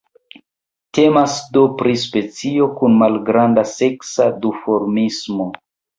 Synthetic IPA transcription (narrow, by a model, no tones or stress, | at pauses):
te̞masdopɾispe̞t͡sio̞kunmalɡɾandase̞ksadufo̞ɾmismo